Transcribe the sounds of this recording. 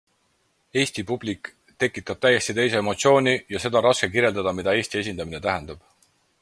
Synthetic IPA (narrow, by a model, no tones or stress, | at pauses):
e̞ːsʲt̪ipub̥lik | t̪e̞kːˑit̪ːˑɑb̥̚t̪æje̞sʲt̪it̪e̞js̬e̞emo̞t̪sio̞ːnʲijɑse̞d̪ɑɾɑske̞kiɾje̞ld̪ɑd̪̥ɑmid̪̥ɑe̞ːsʲt̪ie̞s̬ʲind̪ɑmine̞t̪æɦend̪̥ɑb̥